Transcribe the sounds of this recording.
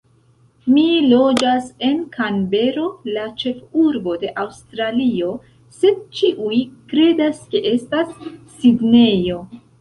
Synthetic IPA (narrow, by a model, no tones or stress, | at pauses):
milo̞d͡ʒase̞nkʰanbe̞ɾo̞lat͡ʃe̞fuɾbo̞de̞ʔawstɾalio̞ | se̞d̚t͡ʃiʔujkɾe̞daske̞ʔe̞stasː | iɡne̞jo̞